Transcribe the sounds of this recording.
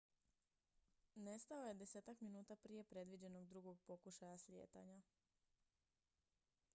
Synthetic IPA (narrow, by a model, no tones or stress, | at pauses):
ne̞st̪aoje̞d̪e̞se̞ːt̪akminuːt̪apɾije̞pɾe̞d̪ʋid͡ʑe̞no̞ɡd̪ɾuɡo̞ɡ̚po̞kuʃajaslʲjḛːt̪a̰ɲa